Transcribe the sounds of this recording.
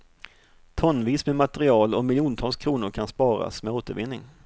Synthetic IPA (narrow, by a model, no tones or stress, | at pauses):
t̪ʰɔnːviːsmɛmat̪ɛɾɪɑːlɔmɪljuːnt̪ʰɑːlskʰɾuːnʊɾkʰanspɑːɾa̰smɛoːt̪əɾvɪnːɪ̰ŋ